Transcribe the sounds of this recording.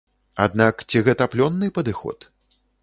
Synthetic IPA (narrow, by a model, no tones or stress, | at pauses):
a̰d̪nakt͡sʲiɣɛt̪ɐplʲɔnːɨpɐd̪ɨxɔ̰t̪